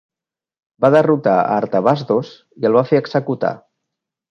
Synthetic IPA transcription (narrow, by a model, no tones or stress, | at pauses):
baðərut̪aə̰ːɾt̪əβazd̪oz | iəlˠβ̞afeəɡz̥əkut̪a̰